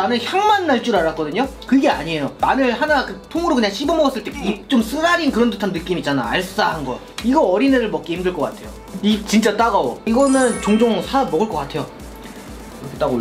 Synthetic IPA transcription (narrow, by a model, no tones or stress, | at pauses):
nanɯnçjaŋmanːaɭt͡ɕ͈uɾaɾak͈ʌdɯɲokɯɡe̞aɲie̞jomanɯɭɦanakɯtʰoŋɯɾokɯɲaŋɕʰibʌmʌɡʌs͈ɯɭt͈e̞kit͡ɕ͈oms͈ɯɾaɾinkɯɾʌndʰotʰanɯk͈imit͡ɕ͈ana̰aɭss͈aɦanɡʌ | iɡʌʌɾineɾɯɭmʌk͈eimdɯɭk͈ʌk͈atʰe̞jo | it͡ɕint͡ɕ͈at͈aɡawoiɡʌnɯnt͡ɕoŋd͡ʑoŋsʰaamʌɡɯɭk͈ʌk͈atʰe̞jo | kʰt͈aɡo